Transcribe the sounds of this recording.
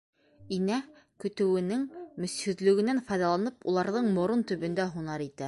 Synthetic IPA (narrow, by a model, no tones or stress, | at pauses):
inæ | kɵ̆t̪ɘ̆wɘ̆nɘŋmɵ̆shɵ̆ðlɵ̆ɡɘ̆nænfɑjðɑlˠɑnɤpṵlˠɑɾðɤɴmŏɾont̪ɵ̆βɵ̆nd̪æɦunɑɾit̪æ